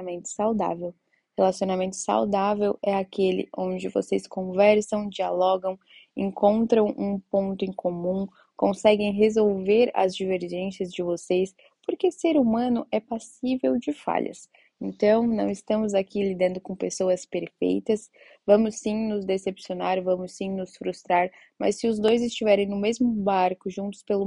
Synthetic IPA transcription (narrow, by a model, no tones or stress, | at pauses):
mẽnt̪ʊ̥sawd̪a̰vew | helasionamẽnt̪ʊ̥sa̰wd̪avewɛakelɪ̰ʔõd͡ʒɪvo̰seskõvɛɾsɐ̃w̃d͡ʒialɔɡɐ̃w̃ | ẽŋkõnt̪ɾɐ̃w̃ʔũpõnt̪ʊẽŋkʰomũ | kõsɛɡẽj̃ɦezowveɾɐ̰zd͡ʒiveɾʒẽsiɐzd͡ʒɪvoses | poɾkeseɾumɐ̃nʊʔɛpasivewd͡ʒɪfa̰ʎɐ̰s | ẽnt̪ɐ̃w̃nɐ̃w̃ɪst̪ɐ̃mʊzakʰilid̪ɐ̃nd̪ʊkõpesowɐspeɾfḛjt̪ɐs | vɐ̃mʊsːĩnʊzd̪esepsionaɾvɐ̃mʊsːĩnʊsfɾust̪ɾaɾ | mɐ̰sːɪʊzd̪ojzɪst͡ʃivɛɾẽj̃nʊmezmʊbaɾkʊʒũnt̪ʊ̥spelʊ